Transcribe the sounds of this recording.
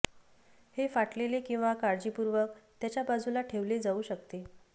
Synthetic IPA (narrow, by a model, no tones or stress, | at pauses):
hefaʈlelekĩw̃ʋakaɾd͡ʑipuɾʋək̚t̪jat͡ɕjabad͡zulaʈʰeʋled͡zauːɕəkt̪e